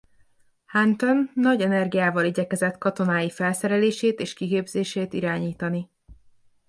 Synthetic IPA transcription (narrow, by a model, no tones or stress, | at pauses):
hant̪onːɒɟɛnɛrɡijaːvɒliɟɛkɛzɛt̪kɒt̪o̞naːjifɛlsɛɾɛleːʃeːt̪eːʃkikeːbzeːʃeːt̪iɾaːɲiːt̪ɒni